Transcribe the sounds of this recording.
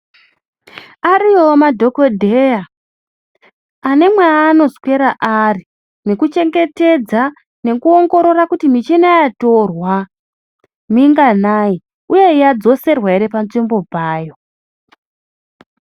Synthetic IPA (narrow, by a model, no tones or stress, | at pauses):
aɾiomadʱo̞kodʱeja | ane̞mweaːno̞zkwe̞ɾaʔari | ne̞kut͡ʃe̞ŋɡe̞te̞d͡za | ne̞kuo̞ŋɡo̞ɾo̞rakutimit͡ʃenajatorwa | miŋɡanai | uje̞jad͡zo̞se̞rwaiɾe̞pant͡simbo̞baːjo̞